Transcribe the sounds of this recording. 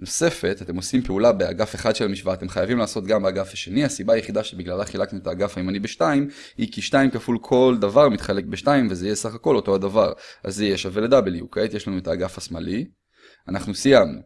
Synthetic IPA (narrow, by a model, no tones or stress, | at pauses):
no̞se̞fe̞tate̞mo̞simpeulabea̰ɡafeχad̪ʃelamiʃvaːt̪e̞mχajavimlaːso̞t̪ɡambeaɡafaʃe̞niasibaːjeχid̪aʃebiɡlalaχilaknuetaːɡafaimanibeʃtaim | hikiʃtaimkafulkʰo̞ld̪avaʁmit̪χale̞k̚beʃtaimvezeijesaχako̞lo̞to̞ad̪avaʁa̰zejeʃaveled̪abeliukejt̪jeʃlanuetaːɡafasmali | anaχnusijamnṵ